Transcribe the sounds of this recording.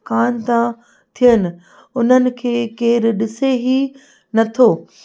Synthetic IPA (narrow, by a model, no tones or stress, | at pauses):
kaːnt̪ã | t̪ʰijənɪ̆ | ʊn̤ənɪ̆kʰeːkeːɪɾɗɪseɦi | nɐt̪ʰoː